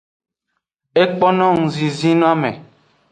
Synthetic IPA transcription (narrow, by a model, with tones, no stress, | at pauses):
e˦k͡pɔ˦nɔ̃˦ŋ̩̃˨zi˨zi˦nɔ̃˦a˦mḛ˨